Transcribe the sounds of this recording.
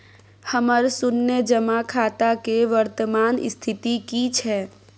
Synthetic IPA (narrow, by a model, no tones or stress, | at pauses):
həməɾsʊnːəd͡ʒəmakʰaːt̪akeʋəɾt̪əmaːnɪ̰st̪ʰɪt̪ikit͡ʃʰɛː